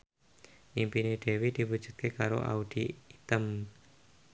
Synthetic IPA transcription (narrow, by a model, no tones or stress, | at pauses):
ʔimpineɖ̪̥e̤wed̪̥i̤wud̥ʒ̥ṳt̪̚kekaɾo̰ʔa̰ud̪̥iit̪əm